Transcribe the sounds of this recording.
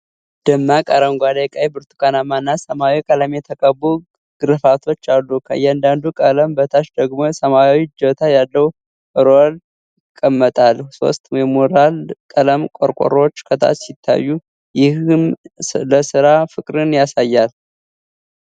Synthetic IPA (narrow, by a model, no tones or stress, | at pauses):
d̪̥ɨmːakʼəɾəŋɡʷad̪ekʼajbɨɾt̪ʰu̥kʰanamanːasəmawikʼələmjɛt̪ʰəkʼəbu | ɡ̥ɨɾɨfat̪ʰo̞t͡ʃːalːukʰə̰jɛand̪and̪ukʼələmbət̪ʰaʃd̪əɡmo̞səmaawid͡ʒət̪ʰajalːəwu | ʔɨɾol | ɪkʼːəmːət̪ʼalso̞̰st̪ʼmɛmoɾalkʼələmkʼo̰ɾkʼo̰ɾo̞t͡ʃːkʰət̪ʰa̰t͡ʃsɪt̪ʰːa̰jːu | jɪhɨmləsɨɾafɨkʼɾɨnjasajːal